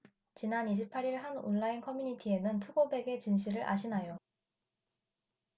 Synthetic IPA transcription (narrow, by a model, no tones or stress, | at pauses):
t͡ɕinaniɕ̬ʰipʰaɾiɭɦano̰nɭainkʰʌmjuɲitʰie̞nɯntʰuɡobe̞ɡe̞t͡ɕinɕ̬ʰiɾɯɾʔa̰ɕʰinajo